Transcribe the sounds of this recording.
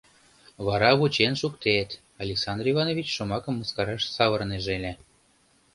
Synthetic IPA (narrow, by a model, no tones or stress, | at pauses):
βɑɾɑβut͡ɕenʃukt̪et̪ | ɑlʲeksɑnd̪rivɑnovʲit͡ɕʃŏmɑkə̆mːəskɑɾɑʃsɑβɤrneʒelʲe